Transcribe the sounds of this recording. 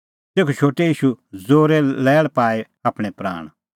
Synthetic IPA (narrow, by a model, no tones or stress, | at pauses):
t̪eːkʰut͡ʃʰoːʈejiːʃud͡zoːɾɛlɛːɭpaːe | aːpɽ̃ɛpɾa̰ːɽ̃